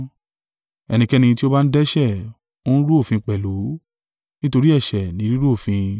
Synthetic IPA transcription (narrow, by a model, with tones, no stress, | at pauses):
ɛ˧˨nĩ˧kɛ˦˧nĩ˧ti˦o˦ba˦n̩˦dɛ˦ʃɛ˦˨ | o˦nũ˦ɾu˦o˦˨fĩ˧k͡pɛ˨lu˨˦ | nĩ˦to˧ɾi˦ɛ˦˨ʃɛ˨nĩ˨˦ɾi˦ɾu˦o˦˨fĩ˧